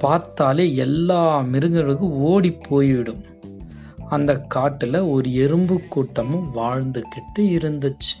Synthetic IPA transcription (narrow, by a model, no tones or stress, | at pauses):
paːɾt̪aːleːɛlːaːmɪɾɯŋɡɐɻɯkɯoːɽipʰːoːjʋɪɽɯm | ɐnd̪ɐkːaːʈːɪlɐɔɾɯɛɾɯmbɯkːuːʈːɐmɯʋaːɻnd̪ɯkɪʈːɯɪɾɯnd̪ɯt͡ʃːɯ̥